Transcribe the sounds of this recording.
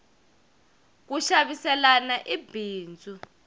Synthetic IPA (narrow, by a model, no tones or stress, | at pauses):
k̬uʃaɓisɛlanaʔibʱiːnd͡zʱʼu